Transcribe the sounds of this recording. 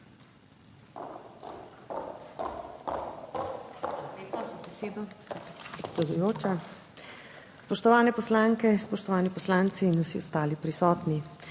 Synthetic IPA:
ʋalaleːpazabɛseːd̪ɔɡspapɾɛt̪sɛd̪ujoːt͡ʃa | spɔʃt̪ɔʋaːnɛpɔslaːŋkɛspɔʃt̪ɔʋaːnipɔslaːnt̪siːnɔsiɔst̪aːlipɾisɔːt̪ni

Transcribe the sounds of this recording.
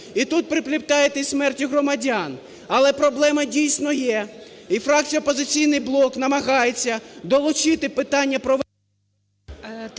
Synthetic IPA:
it̪ut̪̚pɾɪplʲipt̪ɑjet̪ɛsʲmɛrtʲiɦrɔmɐdʲɑn | ɐlˠɛpɾɔblˠɛmɐdʲijsʲnɔjɛifɾɑk̚t͡sʲijɐɔpɔzɪt͡sʲijnɪjblˠɔknɐmɐɦɑjet͡sʲːɐd̪ɔlˠʊt͡ʃɪt̪ɪpɪt̪ɑnʲːɐpɾɔʋ

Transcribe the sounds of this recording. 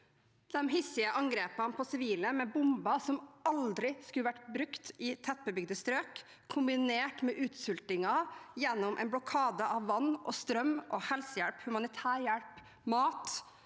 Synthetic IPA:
d̪̥ɛmɦɪsɪəʔɑŋɡɾeːpənpʰɔsɪʋiːləmɛbʊmbɑsɔmɑld̪ɾɪskʉləʋæʈːbɾʉkt̪ʔɪt̪ʰɛpːəbʏɡd̪əst̪ɾøːk | kʰːʊmbɪneːʈmɛʔʉːt̪sʉlt̪ɪŋɑjɛnːʊmʔɛ̰ɪnbɽɔkʰɑːd̪əʔɑʋːɑnːʔɔst̪ɾœmʔɔhɛlsəjæɽphʉmɑnɪt̪ʰæːɾjæɽp | mɑːt̪

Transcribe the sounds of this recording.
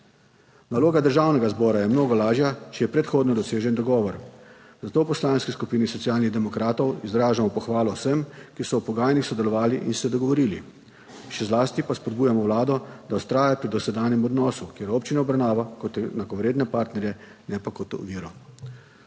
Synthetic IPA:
naloːɡad̪əɾʒaːwnɛɡazbɔːɾajɛmnoːɡɔlaːʒjat͡ʃɛjɛpɾɛt̪xoːd̪nɔd̪ɔseːʒɛnd̪ɔɡɔːʋɔɾ | zat̪oːwpɔslaːnskiskupiːnisɔt̪sjaːlniɣd̪ɛmɔkɾaːt̪ɔwizɾaːʒamɔpɔxʋaːlɔwsəmkisɔwpɔɡaːjnixsɔd̪ɛlɔʋaːliʔinsɛd̪ɔɡɔʋɔɾiːli | ʃɛzlaːst̪ipaspɔd̪̚buːjamɔwlaːd̪ɔd̪awtst̪ɾaːjapɾid̪ɔsɛd̪aːnjɛmɔd̪nɔːsukjeːɾoːp̚t͡ʃinaɔbɾawnaːʋakɔt̪nakɔʋɾeːd̪nɛpaːɾt̪nɛɾjɛnɛpakɔt̪ṵʋiːɾɔ

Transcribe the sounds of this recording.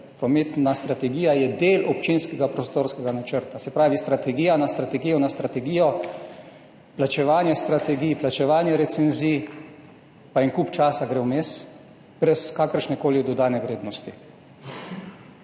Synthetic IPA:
pɾɔmet̪nast̪ɾat̪ɛɡiːjajɛd̪eːlɔp̚t͡ʃinskɛɡapɾɔst̪oːɾskɛɡanat͡ʃəɾt̪asɛpɾaːʋist̪ɾat̪ɛɡiːjanast̪ɾat̪ɛɡiːjɔnast̪ɾat̪ɛɡiːjɔ | plat͡ʃɛʋaːnjɛst̪ɾat̪ɛɡiːjplat͡ʃɛʋaːnjɛɾɛt̪sɛnziːj | paɛŋkuːpt͡ʃaːsaɡɾɛwmeːs | b̥ɾɛskaːkəɾʃnɛkoːlid̪ɔd̪aːnɛʋɾeːd̪nɔst̪i

